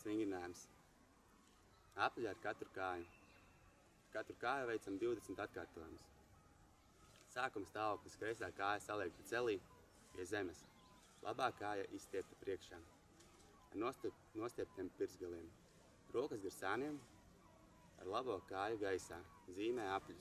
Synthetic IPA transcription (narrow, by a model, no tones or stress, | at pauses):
sviŋɡɾinaːjums | aplʲaːɾkat̪ɾukaːju | aɾkat̪ɾukaːjuvejt̪samd̪iwd̪esmt̪at̪̚kaːɾt̪uɔjums | saːkumst̪aːvoːklˠiskɾɛjsaːkaːjasalˠɛk̚t̪ut̪seliː | pʲiɛzemɛs | lˠa̰baːkaːjaʔist̪ʲiɛpt̪apɾiɛkʃaː | aɾn | nuɔst̪ʲiɛp̚t̪ʲiɛmpiɾzɡalˠiɛm | ɾuɔkɐsɡiɾsaːniɛm | a̰ɾlˠaboɔkaːjuɡajsaː | ziːmɛːaplʲus